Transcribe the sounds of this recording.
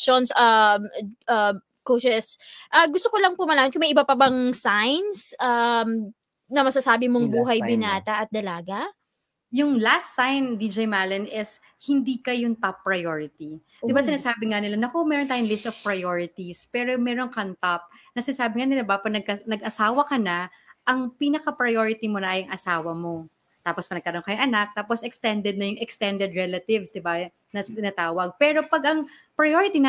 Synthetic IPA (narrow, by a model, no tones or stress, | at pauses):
ʃonsamʔɐm | koʃɛsʔɐɡʊst̪okolɐŋpomɐlaːmɐt̪̚kʊmɐjʔɪbapɐbɐŋsajnsʔam | nɐmɐsɐsaːbɪmoŋbuːɦɐjbɪnaːt̪ɐʔɐt̪̚d̪ɐlaːɡɐ | jʊŋlast̪ːajnd̪id͡ʒejmaːlɐnɛs | hɪnd̪iːkɐjʊŋt̪apːɹɐjoɹɪt̪i | d̪ɪbasɪnaːsaːbɪŋanɪlanɐkomɛːɾont̪aːjʊŋlɪst̪ɔv̥pɹɐjoɹɪt̪ispɛːɾomɛːɾo̞ŋkɐnt̪ap̚nɐsɪnaːsaːbɪŋanɪlabɐpɐnɐɡ̚ɐnɐɡɐsaːwɐkɐnɐ | ʔɐŋpiːnɐkɐpɹɐjoɹɪt̪imonɐʔajɐŋʔɐsaːwɐmo̞ | t̪aːpospɐnɐɡ̚kɐɾoŋkɐjʊŋʔɐnak̚t̪aːposʔɛkst̪ɛnd̪ɛd̪̚nɐjʊŋɛkst̪ɛnd̪ɛd̪ɹɛlɐt̪ɪvsd̪ɪba | nɐt̪ɪnaːt̪aːwɐɡ̚pɛɾo̞pɐɡʔɐŋ | pɹɐjoɹɪt̪inɐ